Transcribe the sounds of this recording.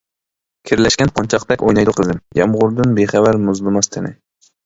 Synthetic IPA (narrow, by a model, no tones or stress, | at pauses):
kʲʰiɾlɛʃkʲɛnqʰɑnt͡ʃʰɑqt̪ɛkʲojnɑjd̪ʊqʰəzɪmjɑmʁʊɾd̪ɨnbeχævæɾmʊzlˠɨmɑst̪ʰɨnɪ̰